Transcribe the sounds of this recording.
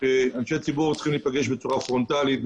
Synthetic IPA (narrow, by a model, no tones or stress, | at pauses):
eanʃet͡sibuʁt͡sχimliːpaɡe̞ʃbet͡suʁafʁo̞nt̪alit̪̚